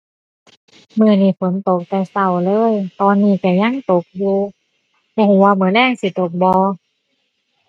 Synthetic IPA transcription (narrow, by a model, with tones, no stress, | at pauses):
mɯ˧˩niː˧˩fo˨˦nt̪o˨˩k̚t̪ɛ˧˩sa˧˩wlɤː˧˥˨jt̪ɔː˧nːiː˧˩ka˧˩ɲa˧˥˨ŋt̪o˨˩k̚juː˧ | bɔː˧huː˨˦waː˧mɯ˨˩˦nlɛː˧˥˩ŋsi˧˦t̪o˨˩k̚bɔː˧